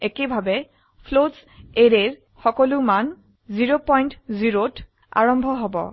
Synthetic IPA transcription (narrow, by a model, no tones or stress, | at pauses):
ekebʱabɛ | pʰlots | eɹeɹ | xɔkɔluman | ziɹopɔjntziɹot | a̰ɹɔmbʱɔɦɔbɔ̰